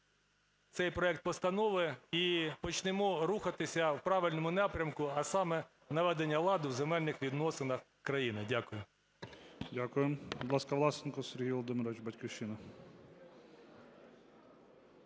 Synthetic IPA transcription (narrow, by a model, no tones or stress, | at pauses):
t̪sɛjpɾɔɛk̚t̪̚pɔst̪ɐnɔʋɪipɔt͡ʃnɪmɔɾuxɐt̪ɪsʲɐwpɾɑʋɪlʲnɔmʊnɑpɾʲɐmkʊɐsɑmɛ | nɐʋɛd̪enʲːɐlˠɑd̪ɪwzemɛlʲnɪxʋʲid̪nɔsɪnɐx | kɾɐjinɪdʲakʊjʊ | dʲakʊjembɔd̪lˠɑskɐʋlˠɑsɪnkɔseɾɦijʋɔlˠɔd̪ɪmɪɾɔʋɪt͡ʃbɐtʲkʲiʃɪnɐ